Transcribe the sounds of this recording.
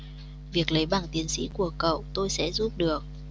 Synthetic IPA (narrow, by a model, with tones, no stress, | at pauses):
vi˨˩ək̚lə˨˦jɓaː˧˩ŋt̪i˨˦ənsḭ˧˥ku˧˩əkə̰˧˨wt̪o˧jsɛ̰˧˥zu˦˥p̚ɗɨ˨˩ək̚